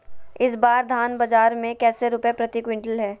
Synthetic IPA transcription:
ɪsbaːɾd̪ʱaːnbɐd͡ʒaːɾmẽkɛːseɾʊpjapɾɐt̪ikwɪ̃ɳʈəlɦɛː

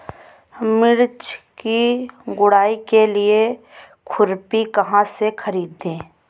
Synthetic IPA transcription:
mɪɾt͡ʃkiɡʊɽaːikelie | kʰʊɾpikɐɦãsekʰəɾiːd̪ẽː

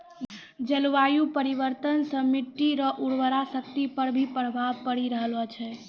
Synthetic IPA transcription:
d͡ʒəlʋajupəɾiʋəɾt̪ənsə̃miʈːiɾəʔuɽʋəɾasək̚t̪ipəɾbʱipəɽ̤bʱapəɽiɾəɦələt͡ʃʰɛ

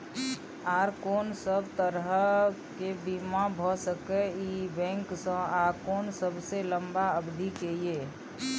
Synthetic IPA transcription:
aːɾkoːnsəbt̪əɾɦəkebimãbʱɔsəkeibɛ̃ŋksə̃aɾkoːnsəbʱseləmbaəbd̪ʱikeie

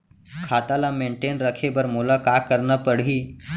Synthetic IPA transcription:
kʰat̪alameɳʈenɾəkʰebəɾmulakakəɾɳəpəɽ̤iː

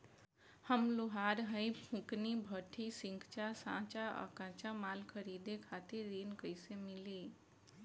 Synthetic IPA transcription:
həmloɦaːɾɦəipʰũknibʱəʈʰisĩŋɡt͡ʃasã̰ːt͡ʃaə̰kãt͡ʃamaːlkʰəɾiːd̪ekʰaːt̪iɾːiːnkəɪsemɪliː

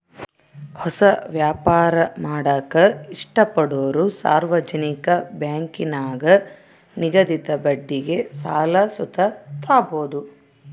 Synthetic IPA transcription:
hɔsɐʋjaːpaːɾɐmaːɽɐkɐiʂʈɐpɐɽoːɾusa̰ːɾʋɐd͡ʒɐnikɐbjaːŋkinaːɡɐ | niɡɐd̪it̪ɐbɐɖːiɡe̞saːlɐsut̪ɐt̪aːboːd̪u

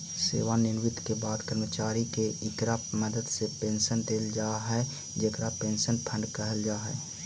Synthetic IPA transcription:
sḛːʋanɪlʋɪt̪kebaːd̪kəɾmət͡ʃaːɾikeɪkɾaməd̪əd̪sepẽːnʃənd̪eːld͡ʒaːɦɛ | d͡ʒeːkɾapẽːnʃənpʰə̃ɳɖkəɦəld͡ʒaːɦɛː

